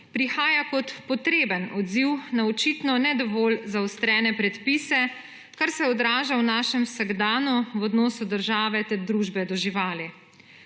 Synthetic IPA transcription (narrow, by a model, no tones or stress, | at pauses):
pɾixaːjakɔt̪pɔt̪ɾeːbənɔd̪ziwnaɔt͡ʃit̪nɔnɛd̪ɔʋoːlzaɔst̪ɾɛːnɛpɾɛt̪pisɛ | kaɾsɛɔd̪ɾaːʒawnaːʃɛmwsəɡd̪aːnuwɔd̪nɔːsud̪əɾʒaːʋɛt̪ɛɾd̪ɾuːʒbɛd̪ɔʒiʋaːli